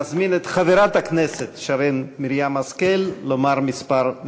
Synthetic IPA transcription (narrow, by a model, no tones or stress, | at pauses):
zminet̪χaveɾat̪akneset̪ʃaɾenmiɾjamaskelːomaɾmispaɾ